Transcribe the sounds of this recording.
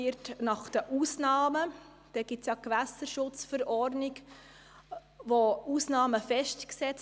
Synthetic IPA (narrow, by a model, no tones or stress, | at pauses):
ɪtnɑχd̥əʔusnɑːmə | d̥ɛɡ̥ɪtsjɑkʋæsəɾʃʊt͡sfəɾɔrdnɪk | ʋousnɑːməfɛʃtksɛt͡s